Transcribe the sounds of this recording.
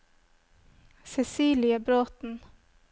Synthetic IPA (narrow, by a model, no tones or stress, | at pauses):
sɛsiːlɪəbɾoːt̪n̩